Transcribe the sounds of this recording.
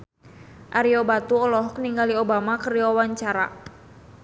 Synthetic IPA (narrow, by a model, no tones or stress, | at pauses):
ʔaɾiobat̪uɔlɔɦɔk̚niŋɡaliobamakəriɔwaɲt͡ʃaɾa̰